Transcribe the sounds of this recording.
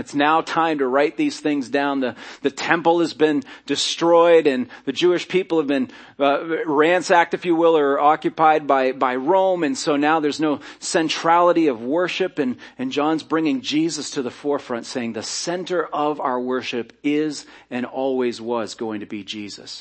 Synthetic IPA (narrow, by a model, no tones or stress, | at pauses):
ɨtsnaʊtʰãɪ̃mtɨɹaɪt̪̚ðiz̥θɪ̃ŋzdãʊ̃nðɨðɨtʰɛ̃mpl̩ˠəzbɪ̃ndɨstɹ̥ɔɪɾɨ̃nðɨd͡ʒʉɨʃpʰipl̩ˠəvbɨ̃n | ɹæ̃nsæk̚tɨfjɨwɪlˠə˞ɑkjɨpaɪd̚baɪbaɪɹõʊ̃mɨ̃nsoʊnaʊðə˞znoʊsɛ̃ntʰɹ̥ælˠəɾiʌvwɜ˞ʃɨpɨ̃nɨ̃nd͡ʒɑ̃nzbɹɪ̃ŋɪ̃ŋd͡ʒizɨstʰɨðɨfɔɹfɹʌ̃ntseɪɪ̃ŋðɨsɛ̃ntə˞ʔʌvaʊə˞wɜ˞ʃɨpɪz | ɨ̃nɔlˠwizwʌzɡoʊɪ̃ŋtʰɨbid͡ʒizɨ̰s